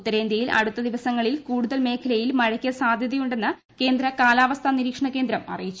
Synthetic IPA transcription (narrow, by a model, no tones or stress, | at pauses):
ut̪ːɐɾeːnd̪ɐjilɐ̰ɽut̪ːɐd̪iʋɐsɐŋːɐɭilkuːɽuðɐlme̞ːkʰɐlɐjilmɐɻɐkʲːjɐsaːd̪ʱjɐðijuɳɖe̞nːɨ | ke̞ːnd̪ɾɐkaːlaːʋɐst̪ʰɐniɾiːkʂɐɳɐkːe̞ːnd̪ɾɐmɐ̰rijit͡ɕːu